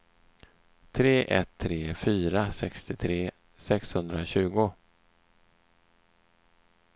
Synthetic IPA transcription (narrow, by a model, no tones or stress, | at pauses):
t̪ʰɾeːʔɛt̪ʰːɾeːfyːɾasɛkst̪ɪt̪ʰɾeː | sɛkshɵnd̪ɾaɕʉ̟ːɡʊ